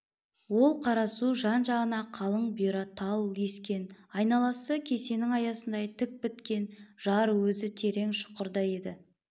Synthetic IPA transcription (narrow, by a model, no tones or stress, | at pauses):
wo̞lˠqʰɑɾɑsuʒɑnʒɑʁənɑqʰɑlˠəɴbiɾɑt̪ʰɑlˠje̞skʲe̞nɑjnɑlˠɑsəkʲʰe̞se̞nɪŋɑjɑsənd̪ɑjt̪ʰɪk̚pɪt̪kʲe̞nʒ̥ɑɾwɵzɪt̪ʰe̞ɾe̞ŋʃʊ̥qəɾd̪ɑje̞d̪ɪ